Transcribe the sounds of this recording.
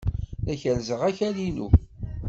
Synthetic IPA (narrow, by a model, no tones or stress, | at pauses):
æçælzəʁæçælinṵ